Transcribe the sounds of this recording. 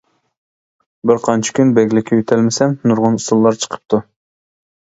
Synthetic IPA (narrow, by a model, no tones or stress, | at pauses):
bɪɾqʰɑnt͡ʃʰɪ̥kʲynbɛɡʲlɪkʲʰːɛjyt̪ʰɛlmɪsɛnnuɾʁʊnusulˠːɑɾt͡ʃʰə̥qʰə̥p̚t̪ʰu